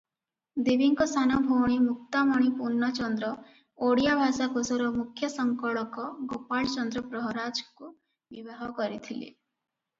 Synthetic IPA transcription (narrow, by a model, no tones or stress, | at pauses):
d̪ibiŋkɔst̪ʰanɔbʱowɽ̃imuk̚t̪amɔɽ̃ipuɾnːat͡ʃɔnd̪ɾɔ | oɽijabʱasakosɔɾɔmukʰjɔsɔŋkɔɭɔkɔɡopaɭt͡ʃɔnd̪ɾɔpɾɔɦɾad͡ʒku | bibaɦɔkɔɾit̪ʰilḭ